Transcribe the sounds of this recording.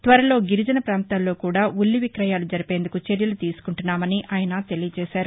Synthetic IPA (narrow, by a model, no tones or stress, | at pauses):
t̪ʋɐɾɐlo̞ːɡiɾid͡ʒɐnɐpɾaːnt̪aːlːo̞ːkuːɽaːulːiʋikɾɐjaːlud͡ʒɐɾipe̞ːnd̪ukut͡ʃe̞ɾjɐlut̪iːsu̥kuɳʈunːaːmɐniʔaːjɐnɐt̪e̞lijɐt͡ʃɛːʃaːɾu